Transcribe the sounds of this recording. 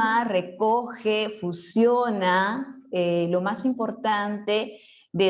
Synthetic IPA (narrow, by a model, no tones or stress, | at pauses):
arekoxefusjonaelo̞masimpo̞ɾt̪ant̪e | ðe